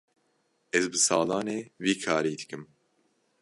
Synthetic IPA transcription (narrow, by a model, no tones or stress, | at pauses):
ɛzbɨsɑːlɑːneːviːkʰaːɾiːd̪ɨkɨm